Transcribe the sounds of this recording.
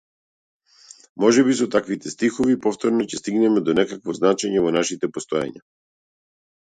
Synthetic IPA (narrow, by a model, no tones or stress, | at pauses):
mɔʒɛbisɔt̪akvit̪ɛst̪ixɔvipɔft̪ɔɾnɔcɛst̪iɡnɛmɛd̪ɔnɛkakvɔznat͡ʃɛɲɛvɔnaʃit̪ɛpɔst̪ɔja̰ɲa